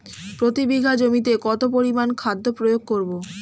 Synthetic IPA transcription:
pɾot̪ibiɡʱad͡ʑomit̪̬ekɔt̪opoɾimankʰad̪ʱːopɾojoɡ̚koɾbo

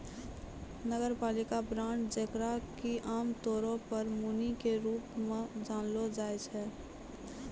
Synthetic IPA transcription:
nəɡəɾpaːlɪkabɾãːɳʈd͡ʒəkɾakiʔaːmt̪oːɾõpəɾmunikeɾuːpmẽd͡ʒaːnlod͡ʒaːet͡ʃʰɛː

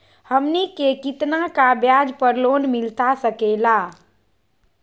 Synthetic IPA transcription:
həmnikekit̪nakabjad͡ʒpəɾlonmɪlt̪asəkela

